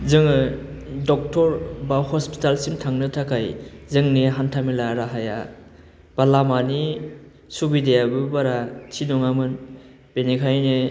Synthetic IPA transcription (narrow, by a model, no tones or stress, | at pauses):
zɯŋɯ | dɔk̚tɔɾbawhɔspi̥talsimtʰaŋnɯtʰakʰajzɯŋneɦantʰamilaɾaɦaja̰ | b̥alamani | subidejabɯbaɾatʰinɔŋamɯn | b̥enekʰajne